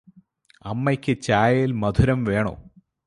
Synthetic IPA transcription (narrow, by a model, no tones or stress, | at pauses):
ɐmːɐkʲːɨt͡ɕaːjilmɐd̪ʰʱuɾɐmʋe̞ːɳo̰ː